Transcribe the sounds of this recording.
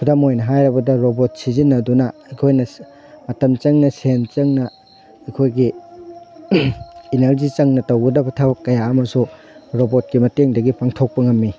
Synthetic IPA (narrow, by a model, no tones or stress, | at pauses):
kʰudamojnɐɦajɾɐbɐdɐɾobot̚sizinːɐdunɐɐjkʰojnɐ | mɐtɐmt͡ʃɐŋnɐsent͡ʃɐŋnɐ | ɐjkʰojɡi | nɐɾzit͡ʃɐŋnɐtɐwɡɐdɐbɐtʰawkːɐjaɐmɐsu | ɾobot̚kimɐteŋdɐɡipʰaŋtʰok̚pɐŋɐmːi